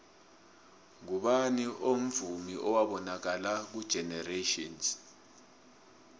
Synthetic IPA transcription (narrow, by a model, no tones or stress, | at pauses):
ŋuɓaniʔom̩vumiʔɔwaɓɔnak̬alak̬ud̥ʒ̥ʱɛnɛreʃɔns